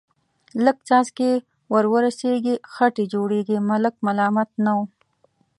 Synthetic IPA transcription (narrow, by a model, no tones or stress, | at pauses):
ləɡt͡sɑzke | wəɾwəɾaseɡixaʈed͡ʒoɽeɡimalək̚malɑmat̪̚naw